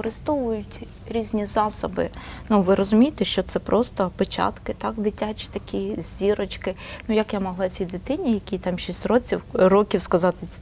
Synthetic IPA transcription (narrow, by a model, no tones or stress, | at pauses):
kɔɾɪst̪ɔʋʊjʊtʲ | ɾʲizʲnʲizɑsɔbɪ̰nuʋɪɾɔzʊmʲijet̪ɛʃt͡ʃɔt̪sɛpɾʔɔst̪ɔpɪt͡ʃa̰t̪kɪt̪ɑkd̪ɪtʲat͡ʃʲi̥t̪ɐkʲizʲiɾɔt͡ʃkɪnujɐkjamɔɦlˠɑt͡sʲid̪ɪt̪ɪnʲijɐkʲit̪ɑmʃisʲtʲrɔt͡sʲiwrɔkʲiwskɐzɑt̪ɪ